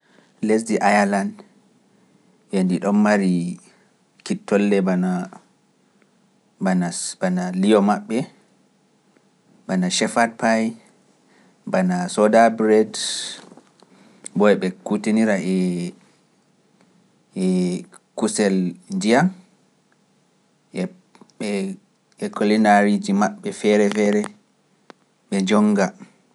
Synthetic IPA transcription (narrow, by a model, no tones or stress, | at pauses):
les̬diʔajaland | jendiɗɔnmaɾi | kitːɔlːɛbaa | anabanalijɔmaɓːɛ | banaʃɛfad̚paj | banasɔdabɾɛd | bɔɛɓɛkutiniɾaɛ | ɛkusɛldijam | ɛ | ɓɛ | ɛkʰɔlinaɾid͡ʒimaɓːɛfɛɾɛfɛɾɛ | ɓɛd͡ʒɔŋɡa